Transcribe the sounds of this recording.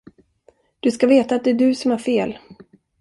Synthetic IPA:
d̪̥ɵskaveːt̪aːt̪̚d̪ɛæɖɵsɔmhæɾfeːl

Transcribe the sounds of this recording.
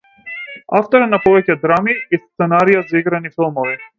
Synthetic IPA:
a̰ft̪ɔɾɛnapɔvɛcɛd̪ɾamiist̪sɛnaɾijazaiɡɾanifilˠmɔvi

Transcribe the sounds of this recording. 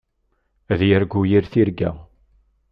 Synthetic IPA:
æðjəɾɡujiɾθiɾɡæ̰

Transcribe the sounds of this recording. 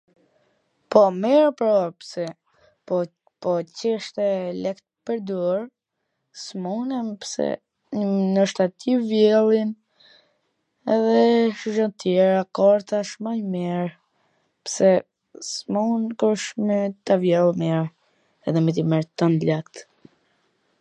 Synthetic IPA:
pɔmɛɾpɾɔpsɛ | pɔ | pɔcɛʃt̪ɛlɛkt̪pəɾd̪uɾ | smunɛmpsɛ̰ | nəʃt̪at̪ivjɛlˠin | ɛðɛʃuʒɔnt̪jɛɾakɔɾt̪aʃmaɲmɛɾ | psɛ | smunkɔʃmɛt̪avjɛlˠmɛɾ | ɛ̰ðɛmɛt̪̬imɛɾt̪and̪lakt̪

